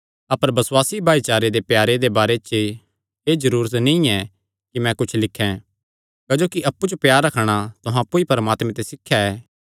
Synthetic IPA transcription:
ɐpəɾbɐswaːsibʱaːit͡ʃaːɾed̪epjaːɾed̪ebaːɾet͡ʃe | eːd͡ʒɐɾuːɾət̪nĩɛ | kimɛ̃kʊt͡ʃʰlɪkʰːɛ̃ | kɐd͡ʒoːkiʔɐpːut͡ʃopjaːɾːɐkʰɽ̃at̪ʊɦãɐpːuipɐɾəmaːt̪mɛ̃t̪̬esɪkʰːjaɛː

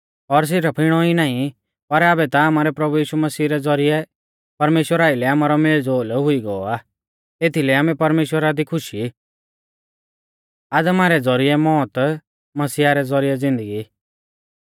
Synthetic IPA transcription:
ɔɾs̬ɪɾapʰiɽ̃ɔinaːĩ | pɐɾaːbɛt̪aaːmaːɾɛpɾɐbujiːʃumɐsiːɾɛd͡zɔɾiɛ | pɐɾmeːʃwəɾaːɪlɛaːmaːɾɔmɪɭd͡zoːlɦʊiɡɔɔa | et̪ʰilɛaːmɛpɐɾmeːʃwəɾad̪ikʰʊʃi | aːd̪maɾɛd͡zɔɾiɛmɔːt̪ | mɐsiːaɾɛd͡zɔɾiɛd͡zɪ̃nd̪əɡi

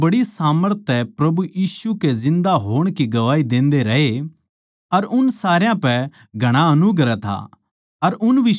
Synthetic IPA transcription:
bɐɽisaːməɾt̪ʰɛpɾɐbujiːsukezɪ̃nd̪aɦoːɽ̃kiɡɐʋaːid̪ẽːnd̪eɾɐɦe | ɐɾʊnsaːɾjãpɛ | ɡʱɐɽ̃aɐnuɡɾɛt̪ʰa̰ | ɐɾʔʊnʋɪ

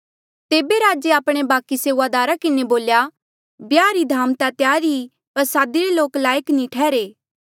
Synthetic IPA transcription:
t̪eːbeɾaːd͡ʒeaːpɽ̃ebaːkiseːʋad̪aːɾakɪneboːlja | bjaːɾid̪ʱaːmt̪at̪jaːɾi | pɐɾsaːd̪iɾeloːklaːjəknĩʈʰɛːɾeː

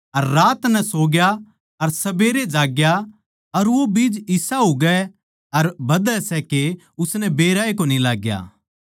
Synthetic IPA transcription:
ɐɾːaːt̪nɛsoːɡja | ɐɾsɐbeːɾed͡ʒaːɡja | ɐɾʋobiːd͡ʒɪsaɦoɡɐɛ | ɐɾbɐd̪ɛsɛke | ʊsnɛbeːɾaːekonilaːɡja̰ː

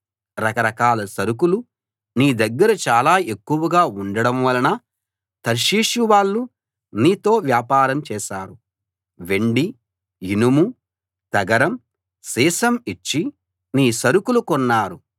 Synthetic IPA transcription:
ɾɐkɐɾɐkaːlɐsɐɾukulu | niːd̪ɐɡːɐɾɐt͡ʃaːlaːe̞kːuʋɐɡaːuɳɖɐɽɐmʋɐlɐnɐ | t̪ɐɾʃiːʃuʋaːɭːu | niːt̪o̞ːʋjaːpaːɾɐmt͡ʃɛːʃaːɾu | ʋe̞ɳɖi | ɦinumu | t̪ɐɡɐɾɐm | sɛːsɐmit͡ʃːi | niːsɐɾukulukɔnːaːɾu

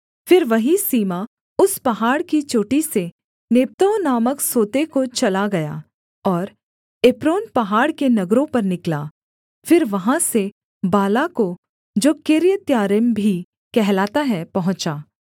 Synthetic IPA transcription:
fɪɾʋɐɦisiːma | ʊspɐɦaːɽkit͡ʃoːʈise | neːp̚t̪õnaːməksoːt̪ekot͡ʃɐlaɡɐja̰ː | ɔːɾ | ɪpɾoːnpɐɦaːɽkenɐɡɾõpɐɾnɪkla̰ː | fɪɾʋɐɦãse | baːlako | d͡ʒoːkɪɾɪjət̪jaːɾəmbʱi | kɛɦlaːt̪aɦɛpɐɦʊ̃t͡ʃaː

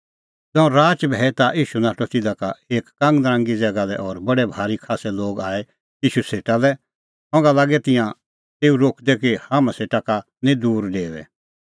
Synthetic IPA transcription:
d͡zɛ̃ũɾaːt͡ʃbʱɛɛt̪aʔiːʃunaːʈɔt̪ɪd̪akaeːkːãŋɡd̪ɾãːŋɡid͡zɛːɡalɛ̰ʔɔɾbɐɽɛbʱaːɾikʰaːsɛloːɡaːɛ | iːʃuseːʈalɛ | ɦɔ̃ːŋɡalaːɡɛt̪ɪ̃jã | t̪eːuɾoːkd̪ɛkihaːmãseːʈaka | nĩd̪uːɾɖ̪eːʋɛ̰

